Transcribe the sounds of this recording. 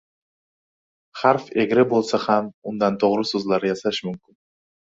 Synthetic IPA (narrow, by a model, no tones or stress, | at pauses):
χaɾfeɡʲɾɪbolˠsahamʊnd̪ant̪ʰoʁɾɪsɵzlaɾɪjasaʃmʊmkʲɪn